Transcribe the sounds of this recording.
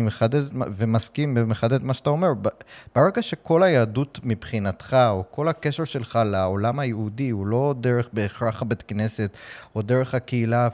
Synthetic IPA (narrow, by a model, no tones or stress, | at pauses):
imeχad̪etvemaskimbemeχad̪et̪maʃat̪ao̞me̞ʁbb̥eʁeɡaʃe̞ko̞lajaːdutmipχinat̪χaoko̞lhakeʃeʁʃe̞lχalaolamajeudihulo̞deʁeχbe̞ːχʁaχabet̪kne̞se̞t̪o̞d̪eʁeχhakeila